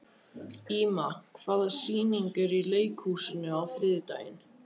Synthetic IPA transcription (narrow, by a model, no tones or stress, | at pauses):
iːmakʰv̥aːðḁsiːniŋkɪɾileːjkhuːsɪnːʏawfɾɪːðɪt̪a̰ːjɪ̰n